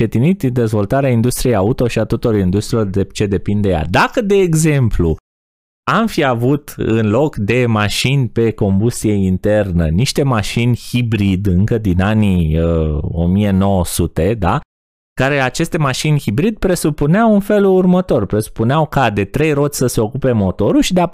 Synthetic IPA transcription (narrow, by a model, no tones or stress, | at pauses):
t͡ʃet̪init̪d̪e̞zvo̞lt̪aɾeaind̪ust̪ɾije̞jaut̪o̞ʃiat̪ot̪oɾoind̪ust̪ɾilord̪et͡ʃe̞d̪e̞pind̪eja̰d̪akəd̪e̞ːɡze̞mplṵ | amfiavut̪ɨ̰nlo̞kd̪e̞maʃinʲpe̞ko̞mbust̪ije̞int̪e̞rnə̰niʃt̪e̞maʃinʲhibɾid̪ɨŋkəd̪inaniəo̞̰mije̞no̞wəsut̪e̞d̪a | kaɾe̞at͡ʃe̞st̪e̞maʃinʲhibɾid̪̥̚pɾe̞supuneawɨnfe̞lurmət̪o̞rpɾe̞su̥puneawkad̪e̞t̪ɾe̞jɾo̞t̪sʲsəse̞o̞kupe̞mo̞t̪o̞ɾulʃid̪ea